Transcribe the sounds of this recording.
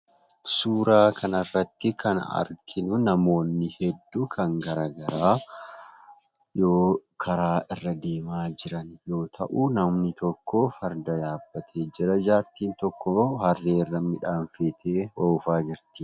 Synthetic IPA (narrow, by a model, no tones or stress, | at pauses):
suːɾaːkʰɐnɐrːɐt̪ːɪkʰɐnɐ̰ɾkʰɪnʊnɐmo̞ːnːɪhɛd̪ːukʰɐŋɡɐɾaːɡɐɾaː | jo̞ːkʰɐɾaːʔɪrːɐd̪eːmaːd͡ʒɪɾɐnjo̞ːt̪ʰɐ̰ʔuːnɐmnɪt̪ɔkʰːoːfɐɾd̪ɐjaːb̥ːɐt̪ʰe̞ːd͡ʒɪɾɐd͡ʒaːɾt̪iːnt̪ɔkːohɐrːeːrːɐmɪᶑaːɱfeːt̪ʰeːwoʊfaːd͡ʒɪɾt̪i